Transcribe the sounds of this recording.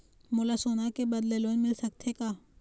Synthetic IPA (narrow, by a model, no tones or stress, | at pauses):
moːlasoːnakebɐd̪leloːnmɪlsɐk̚t̪ʰekaː